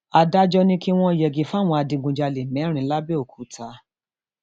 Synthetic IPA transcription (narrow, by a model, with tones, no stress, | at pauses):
a˧da˦d͡ʒɔ˧nĩ˧˦ki˦w̃ɔ̃˦˧i˨jɛ˨ɡi˧˦fa˦˨w̃ɔ̃˧a˧dĩ˧ɡũ˧˨d͡ʒa˧le˨mɛ̃˨˦ɾ̃ĩ˧˦la˦be˦o˦˨kʰu˨˦tʰa˨˦